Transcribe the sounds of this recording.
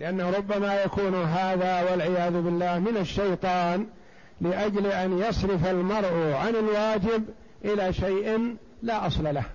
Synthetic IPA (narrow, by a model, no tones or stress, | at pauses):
lɪʔanːahɾˤʊbːamajakuːnɦaːðawalʕɪjaːðʊbɪlːaːhmɪnaʃːajt̪ˤɑːn | lɪʔad͡ʒlʔanjɑsˤɾɪfalmɑɾˤʔʕanɪlwaːd͡ʒɪb | ʔɪlaʃajʔ | laʔɑsˤlalah